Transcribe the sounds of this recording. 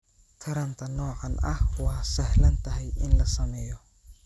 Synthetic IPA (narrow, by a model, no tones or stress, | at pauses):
t̪ʰɐɾɐnt̪ʰɐnɔːʕɑnɐ̰hwɑːsɛhlɐnt̪ʰɐɦɛjɪnlɐsɐmɛːjɔ